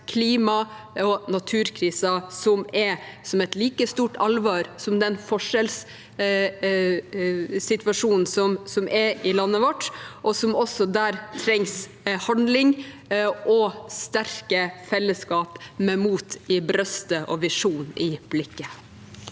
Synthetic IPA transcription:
kʰliːmɑ | ɔnɑt̪ʰʉːɾkʰɾiːsɑsɔmɛɾsɔmɛt̪liːkəst̪uːʈɑlʋɑːɾsɔmd̪ɛnfɔʂɛls | sɪt̪ʋɑʂuːnn̩sɔmsɔmʔɛɪlɑnːəʋɔʈːʔɔsɔmɔsːɔd̪æːɾt̪ʰɾɛŋs | hɑnd̪lɪŋ | ʔɔst̪æɾkəfɛlːəskɑːpmɛmuːt̪ɪbɾœst̪əʔɔʋɪʂuːnɪb̥lɪkːə

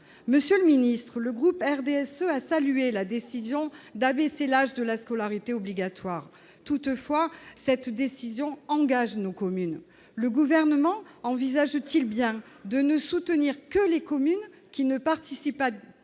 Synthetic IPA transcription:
məsjøləminist̪χələɡʁupɛʁd̪eɛsøasalyelad̪esizjɔ̃d̪abɛselaʒd̪əlaskɔlaʁit̪eɔbliɡat̪waʁ | t̪ut̪fwasɛt̪d̪esizjɔ̃ɑ̃ɡaʒnokɔmyn | ləɡuvɛʁnəmɑ̃ɑ̃vizaʒt̪ilbjɛ̃ | d̪ənəsut̪əniʁkəlekɔmyn | kʲinəpaʁt̪isipa

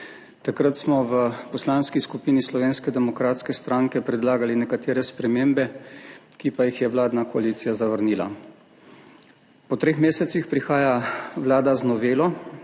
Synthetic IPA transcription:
t̪akɾət̪smɔʋəpɔslaːnskiskupiːnislɔʋeːnskɛd̪ɛmɔkɾaːt̪skɛst̪ɾaːŋkɛpɾɛd̪laːɡalinɛkat̪eːɾɛspɾɛmeːmbɛkipajixjɛʋlaːd̪nakɔaliːt̪sijazaʋəɾniːla̰ | pɔt̪ɾeːxmeːsɛt̪sixpɾixaːjaʋlaːd̪aznɔʋeːlɔ

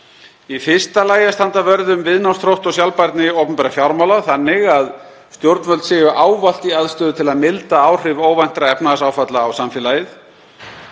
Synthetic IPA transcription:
ifɪr̥st̪alaːjast̪ant̪avœɾðʏmvɪðnawst̪ʰɾowht̪ɔsjawlpajɾt̪nɪowpʏmpɛːɾafjawɾmawlaθanːɪɣað | st̪jowɾt̪nvœlt̪sɪːjʏʔaːwval̥t̪iaðst̪œːðʏt̪ʰɪlaðmɪlt̪aaːwr̥ɪvoːwvajn̥t̪ɾaɛpnaɣasaːwfat̪laːwsamfjɛːlaːjɪθ

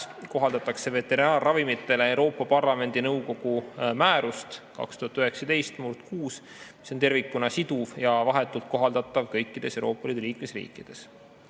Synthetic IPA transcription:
ko̞ɦɑld̪ɑt̪ːˑɑkse̞ve̞t̪ːˑe̞ɾinɑːrːɑvimit̪ːˑe̞le̞ewɾo̞ːpːˑɑpɑrlɑme̞nd̪̥inɤwko̞ɡ̥umæːɾust̪kɑ̰kst̪uhɑt̪ːˑyɦe̞ksɑt̪e̞jst̪murt̪kuːs | miso̞nt̪e̞rvikːˑunɑsid̪uvjɑvɑɦe̞t̪ːˑult̪̚ko̞ɦɑld̪̥ɑt̪ːˑɑvkɤjkːid̪̥e̞sewɾo̞ːpːˑɑlid̪eliːkmesrḭːkˑːid̪̥e̞s

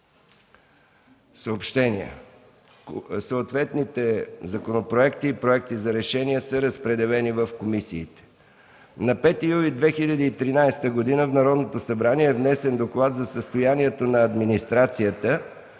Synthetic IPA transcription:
səopʃt̪ɛniə̰ | səːt̪vɛt̪nit̪ɛzɐkonopɾoɛkt̪iːpɾoɛk̚t̪izɐɾɛʃɛniɛsəɾəspɾɛd̪ɛlɛnivəfkomisḭːt̪ɛ̥ | nɐpɛt̪ijulid̪vɛxilʲəd̪iːt̪ɾinajst̪əɡod̪inəvnɐɾɔd̪not̪osɐbɾaniɛːvnɛsɛnd̪oklˠat̪zɐsəst̪ojaniɛt̪onɐːd̪minist̪ɾat̪sijət̪ə

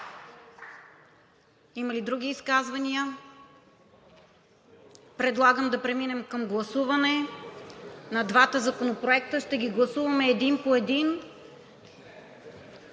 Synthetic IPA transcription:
imɐlid̪ɾuɡʲiːskazvɐniə | pɾɛd̪lˠaɡəmd̪ɐpɾɛminɛmkɐmɡlˠɐsuvɐnɛ | nɐd̪vat̪əzɐkonopɾoɛk̚t̪əʃt̪ɛɡʲiɡlˠɐsuvɐmɛːd̪inpoɛd̪in

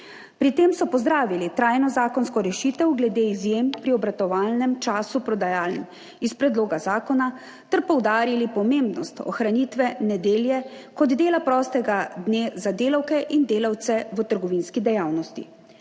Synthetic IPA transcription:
pɾit̪eːmsɔpɔzd̪ɾaːʋilit̪ɾaːjnɔzaːkɔnskɔɾɛʃit̪ɛwɡlɛd̪eizjempɾiɔbɾat̪ɔʋaːlnɛmt͡ʃaːsupɾɔd̪ajaːlnɛm | ispɾɛd̪loːɡazaːkɔna | t̪ɛɾpɔwd̪aːɾilipɔmeːmbnɔst̪ɔ̰xɾanit̪ʋɛnɛd̪eːljɛkɔd̪d̪eːlapɾɔːst̪ɛɡad̪neːzad̪eːlawkɛʔind̪eːlaw̪sɛʋət̪əɾɡɔʋinskid̪ɛjaːwnɔst̪ḭ

